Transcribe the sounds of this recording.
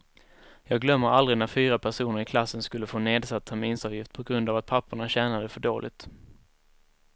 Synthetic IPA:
jɑːɡlœmːəɾald̪ɾɪnæɾfyːɾapʰæʂuːnəɾɪkʰlasːənskɵlːəfoːneːd̪sat̪ːʰæɾminsɑːvjɪft̪̚pʰɔɡɾɵnd̪avat̪̚pʰapʰːʊɳaɕɛːnad̪əfœɖo̰ːlʔɪ̰t̪

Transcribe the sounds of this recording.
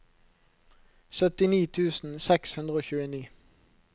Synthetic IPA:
sœt̪ɪniːt̪ʰʉːsn̩sɛkshʉnd̪ʁəoːçʉːəniː

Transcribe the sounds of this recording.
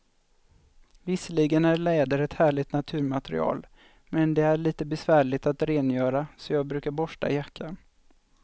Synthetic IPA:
vɪsəliɡənæɾɭɛːd̪əɾɛt̪hæːɭɪt̪nat̪ʰʉ̟ːɾmat̪ɾɪ̰ɑ̰ːl | mɛnd̪ɛæɭiːt̪əbɛsvæːɭɪt̪at̪ɾeːnjœːɾasɔjɑːɡ̚bɾʉ̟ːkaɾbɔʂʈa̰ɪjakʰːa

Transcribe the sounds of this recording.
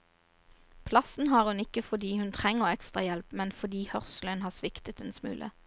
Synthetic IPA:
pʰlɑsn̩hɑːʁhʉnɪkəfɔd̪iːhʉnt̪ʰʁɛŋəʁɛkst̪ʁɑjɛlpmɛnfɔd̪iːhœʁslənhɑːsʋɪkt̪ət̪̚ɛnsmʉ̰ːlʔə̰

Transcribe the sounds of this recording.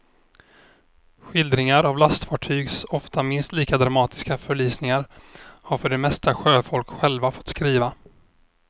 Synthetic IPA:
ɧɪld̪ɾɪŋaɾavlast̪fɑːʈʰyːɡsɔft̪amɪnst̪liːkad̪ɾamɑːt̪ɪ̥skafœɭyːsnɪŋaɾhaɾfœɖɛmɛst̪ʰaɧøːfɔlkɧɛlvafɔ̥t̪skɾiːva

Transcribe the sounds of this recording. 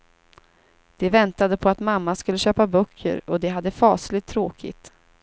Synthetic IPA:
d̪̥ɛvɛnt̪ad̪əpʰɔat̪mamːaskɵlːəɕøːpabœkʰːə̰ɾɔd̪ɛɦad̪ːəfɑːslɪt̪ʰːɾoːkʰɪ̰t̪

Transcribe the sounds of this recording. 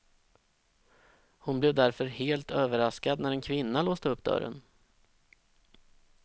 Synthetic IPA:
hʊnblevd̪æɾfœɾheːlt̪øːvəɾaskad̪næɾɛnkʰvɪnːaloːsd̪əɵp̚ːd̪œ̰ɾə̰n

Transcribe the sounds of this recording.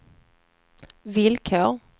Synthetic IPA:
vɪlkʰoːɾ

